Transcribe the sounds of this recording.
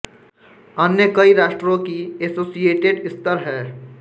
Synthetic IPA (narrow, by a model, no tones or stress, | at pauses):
ənjəkəiɾaːʃʈɾõkiesoːsijeːʈeɖɪst̪əɾɦɛː